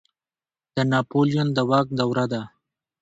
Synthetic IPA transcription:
d̪̥ənɑpolijond̪əwak̚d̪awɾad̪a

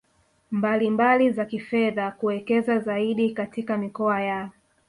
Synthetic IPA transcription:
mbalimbalizakifɛðakuwɛkɛzazaiɗikatikamikɔaja

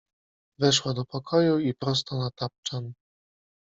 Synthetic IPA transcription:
vɛʂwad̪ɔpɔkʰɔjuipɾɔst̪ɔnat̪ap̚t͡ʂan

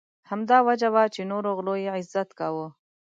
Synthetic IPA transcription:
hamd̪ɑwad͡ʒawat͡ʃenoɾoɣlojeɪzːat̪kawo

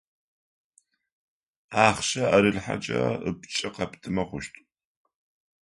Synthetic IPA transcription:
aːχʃɐɐɾɨɮħa̰t͡ʃʼɐ̰əpt͡ʃʼɐqɐptʰɨmɐχʷʊʃtʼ

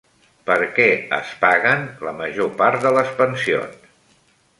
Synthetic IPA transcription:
pəɾkɛə̰spaɣənləməʒopaɾt̪̚d̪ələspənsio̰n

